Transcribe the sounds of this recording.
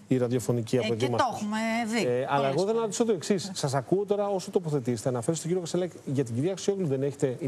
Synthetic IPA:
iɾɐðjo̞fo̞niciɐpoðimɐoxmeðiɐlɐeɣoðenɐɾot̪isot̪oe̞ksisːɐsɐkuot̪o̞ɾɐosot̪opoθe̞t̪iset̪eɐnɐfeɾist̪oɟiɾiokɐselɐkʝɐt̪̬iɟiɾiɐksioɣluðe̞ne̞çe̥t̪e̞i

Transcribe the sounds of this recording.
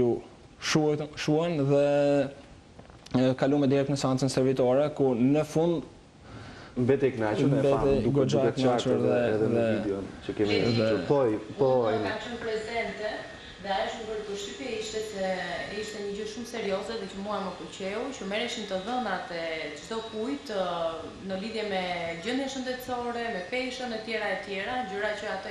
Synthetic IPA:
ju | ʃuʃuɛnðɛ | kalumɛd̪iɾɛk̚t̪nəsɛant͡sənsɛɾvit̪ɔɾɛkunəfund̪ | mbɛt̪ɛknat͡ʃumbɛt̪ɛukɡd͡ʒaknat͡ʃuɾðɛɛðɛðɛidɛɔnt͡ʃəkɛmiðɛpɔjpɔakʃəmpɾɛzɛnt̪ɛ | ðɛajʃməvəɾkuʃipɛiʃt̪ɛsɛiʃt̪ɛɲəd͡ʑəʃumsɛɾiɔzɛðɛt͡ɕəmuaməkut͡ɕɛut͡ʃəmɛɾɛʃint̪əðənat̪ɛd͡ʒd̪ɔkujt̪ | nəliðjɛmɛd͡ʑənjɛʃənd̪ɛt̪t͡sɔɾɛmɛpɛʃənmɛt̪jɛɾaɛt̪jɛɾad͡ʑəɾat͡ɕəat̪ə

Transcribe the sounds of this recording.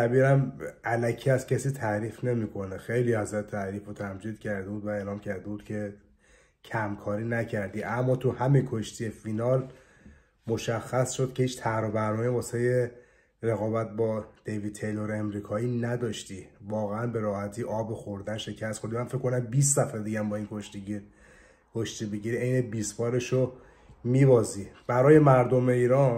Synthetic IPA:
t̪æbiːɾæmælæcʰiæscʰæsiːt̪ʰæɾiːfne̞miːkʰo̞nexe̞jliːhæzɾæt̪ʰːæɾiːfot̪ʰæmd͡ʒiːd̪̚cʰæɾd̪ebuːd̪væe̞ːlɒːmcʰæɾd̪e̞buːd̪cʰe̞ | cʰæmkʰɒːɾiːnæcʰæɾd̪iːʔæmːɒːt̪ʰuhæminkʰoʃt̪ʰiefinɒːl | moʃæxːæsʃod̪̚cʰe̞hiːt͡ʃt̪ʰæhɾobæɾnɒːmebɒːseje | ɾeɣɒːbæt̪̚bɒːd̪̥eviːt̪ʰe̞jloɾemɾiːkʰɒːiːnæd̪ɒːʃt̪ivɒːɣeænbe̞ɾɒːhæt̪ʰiːʔɒːbexoɾd̪ænʃe̞cʰæst̪xond̪imænfekkʰːonæmbiːst̪sæfed̪iɟæmbɒːinkʰoʃt̪iiɾ | kʰoʃt̪iːbeɟiɾiejnebiːspɒːɾe̞ʃo | miːvɒːzib̥æɾɒːjemæɾd̪o̞me̞iːɾɒːn

